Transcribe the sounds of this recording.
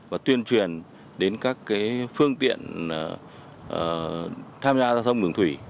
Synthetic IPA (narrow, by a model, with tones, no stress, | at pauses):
vaː˨˩t̪wi˧ənt͡ɕwi˨˩ən | ɗe˨˦nkaː˦˥kːaː˨˦jfɨ˧əŋt̪ḭ˧˨ən˨˩˨ | t̪ʰaː˧mzaː˧zaː˧wt̪ʰə˧wŋ͡mɗɨ˧˩əŋt̪ʰwi˧˩